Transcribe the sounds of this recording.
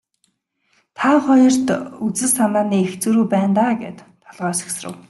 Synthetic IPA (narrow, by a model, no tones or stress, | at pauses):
t̪ʰaχɔjɞ̆r̥t̪ut͡sɘ̆ssamaːniːext͡suɾuːpæːnt̪aːɡḛːt̪ʰːɔɮʁœːsi̥xsrə̰̆w